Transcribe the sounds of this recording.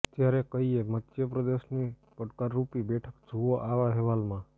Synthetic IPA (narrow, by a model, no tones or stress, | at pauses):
t̪jaːɾekəiemət̪ːʃjəpɾəd̪eʃni | pəʈkaɾːupibɛːʈʰəkd͡ʒʱuoʔaːʋaɦeʋaːlmã